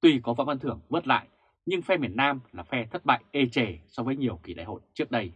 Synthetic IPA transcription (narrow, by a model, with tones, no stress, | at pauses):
t̪wi˧kɔ˨˦va̰ː˧˨wʔə˧nt̪ʰɨ˧˩əŋvɨ˦˥t̚la̰ː˧˨j | ɲɨ˧ŋfɛ˧mi˨˩ənaː˧mlaː˨˩fɛ˧t̪ʰə˦˥t̚ɓa̰ː˧˨jʔe˧t͡ɕe˧˩sɔ˧vəː˨˦jɲi˨˩əwki˧˩ɗa̰ː˧˨jho̰˧˨jt͡ɕɨ˦˥ək̚ɗə˧j